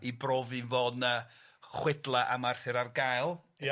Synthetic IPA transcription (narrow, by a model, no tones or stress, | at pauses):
ibroːvinvoːnnəχwɪdlˠaʔamarθɪɾarɡajlˠ